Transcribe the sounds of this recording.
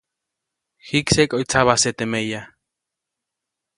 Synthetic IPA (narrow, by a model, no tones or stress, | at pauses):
xiksekʼoit͡saβaset̪emeja